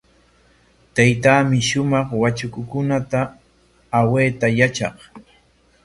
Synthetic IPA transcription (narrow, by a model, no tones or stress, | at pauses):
t̪ajt̪aːmɪʃʊmɑχwat͡ʃʊkʊkʊnat̪aː | weːt̪ajat͡ʃɑ̰χ